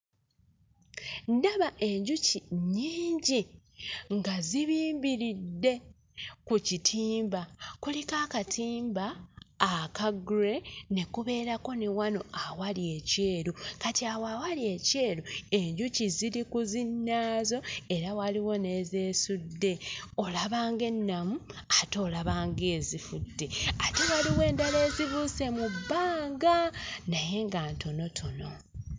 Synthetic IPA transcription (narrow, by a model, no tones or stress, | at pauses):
ndaβaʔe̞ɲɟuciɲiːɲɟi | ŋɡaziβiːmbiɾidːe̞ | kucitʰiːmbakulikaːkatʰiːmbaː | kaɡuɾe̞ne̞kuβe̞ːɾako̞newano̞ʔawalie̞ce̞ːɾukatiawawalije̞ce̞ːlue̞ɲɟuciziɾikuzinːaːzo̞e̞ɾawaliwo̞ne̞ːze̞ːsudːe̞o̞laβaːŋɡe̞nːamuato̞ːlaβaːŋɡe̞ːzifudːe̞ate̞waliwe̞ːndale̞ːzivuse̞mubːaːŋɡanaje̞ŋɡaːnto̞no̞tʰo̞no̞